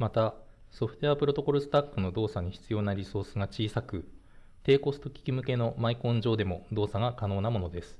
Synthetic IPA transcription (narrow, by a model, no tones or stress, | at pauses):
mat̪a | so̞ɸɯ̟̥t̪oapɯɾo̞t̪o̞ko̞ɾɯ̟sɨ̥t̪akːɯ̟no̞d̪o̞ːsaɲ̟içi̥t͡sɨjo̞ːnaɾʲiso̞ːsɨɡat͡ɕiːsakɯ̟ | t̪e̞ːko̞sɨ̥t̪o̞kʲi̥kʲimɯ̟ke̞no̞maikõ̞ɲ̟d͡ʑo̞ːd̪e̞mo̞d̪o̞ːsaɡakano̞ːnamo̞no̞d̪e̞sɨ̥